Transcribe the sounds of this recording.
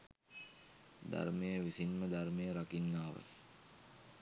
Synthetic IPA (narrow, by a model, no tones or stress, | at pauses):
d̪a̰rmejəʋisinməd̪armejəɾakinːaːʋə̰